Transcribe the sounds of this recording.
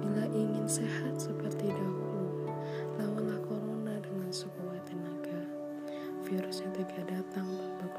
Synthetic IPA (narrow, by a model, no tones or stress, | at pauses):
ilaʔiŋɪnsehat̪̚səpərt̪idaʔu | lamanlahkoɾonadəŋansəkuwat̪ənaɡa | fiɾʊsɲat̪iɡaʔdat̪aŋbaba